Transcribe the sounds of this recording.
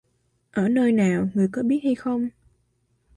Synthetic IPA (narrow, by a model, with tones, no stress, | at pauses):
ʔəː˧˩nəː˧jnaː˨˩wŋɨ˨˩əjkɔ˨˦ɓi˦˥ət̚ha˧jxə˧wŋ͡m